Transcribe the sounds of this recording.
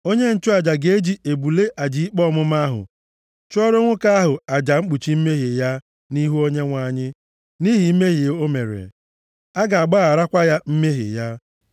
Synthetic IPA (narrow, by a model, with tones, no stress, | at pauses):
o˦ɲe˦n̩˦˨t͡ʃʊ˦a˨d͡ʒa˨ɡe˦d͡ʒi˦e˨bu˨le˦ʔa˨d͡ʒi˨˦i˦k͡pɔ˦mʊ˦m˦a˦ɦʊ̰˨ | t͡ʃɔ˦ɾʊ˦ŋʷʊ˦ka˦a˦ɦʊ˨a˨d͡ʒa˨ŋ͡m̩˦k͡pu˨t͡ʃi˦m̩˦me˦ɦe˨ja˦ | ni˦ɦu˦o˦ɲe˦ŋʷa˨ɲɪ˦ | ni˦ɦi˨˦me˦ɣe˨˦o˦me˨ɾḛ˨ | a˦ɡa˨a˨ɡ͡ba˦a˨ɾa˦kʷa˦ja˦m̩˦me˦ɦɪ̰˨ja˦